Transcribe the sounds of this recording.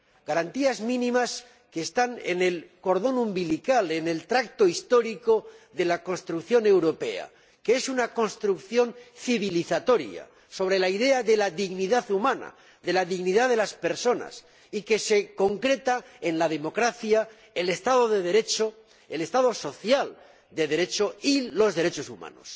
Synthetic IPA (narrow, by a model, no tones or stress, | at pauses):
ɡ̥aɾant̪iazmĩnĩmas | keːst̪anḛne̞lko̞ɾðo̞numbilikale̞ne̞lt̪ɾak̚t̪o̞ist̪o̞ɾiko̞ðe̞lako̞nst̪ɾukθjo̞ne̞wɾo̞pe̞a̰ | ke̞esunako̞nst̪ɾukθjo̞nθiβiliθat̪o̞ɾja̰ | so̞β̞ɾe̞laiðe̞aðe̞laðiɣniðaθumãna̰ | ðe̞laðiɣniðaðe̞laspe̞ɾso̞na̰s | ike̞se̞ko̞ŋkɾe̞t̪ae̞nlað̞e̞mo̞kɾaθja | ele̞st̪aðo̞ðe̞ðe̞ɾe̞t͡ʃo | ele̞st̪aðo̞so̞θjal | d̪e̞ðe̞ɾe̞t͡ʃo̞ilo̞zðe̞ɾe̞t͡ʃo̞suma̰no̞̰s